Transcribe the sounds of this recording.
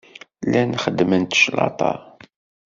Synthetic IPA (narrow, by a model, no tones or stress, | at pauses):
lænχəd̪ːmənt̪ʃlɑ̰t̪ˤɑ̰